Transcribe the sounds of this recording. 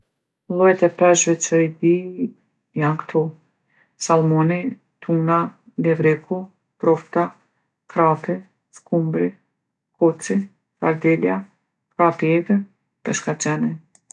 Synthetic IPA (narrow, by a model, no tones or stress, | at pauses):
lˠɔjat̪ɛpɾɛʃvɛt͡ʃəid̪i | jankt̪ʰu | salˠmɔni | t̪ʰuna | lɛvɾɛku | pɾɔft̪a | kɾapi | skumbɾi | kɔt͡si | faɾd̪ɛlja | kɾapiɛvɛ | pɛʃkat͡ʃɛni